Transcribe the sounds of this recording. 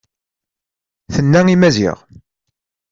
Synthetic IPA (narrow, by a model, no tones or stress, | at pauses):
θənːæimæzḭʁ